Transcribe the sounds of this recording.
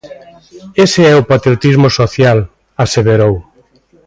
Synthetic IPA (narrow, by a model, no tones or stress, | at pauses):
eseɛʊpat̪ɾiot̪izmosoθjal | aseβeɾow